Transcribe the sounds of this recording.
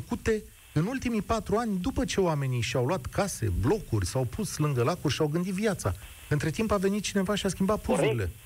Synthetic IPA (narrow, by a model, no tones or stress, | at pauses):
kut̪e̞ | ɨnult̪imipat̪ɾuanʲd̪upət͡ʃe̞oame̞niʃiawluat̪kʰase̞̰blo̞kurʲsawpʰuslɨŋɡəlakurʲʃiawɡɨnd̪it̪vjat̪sa̰ | ɨnt̪ɾe̞t̪impave̞nit̪̚t͡ʃine̞vaʃiaskʲimbat̪̚puɾuɾile̞̰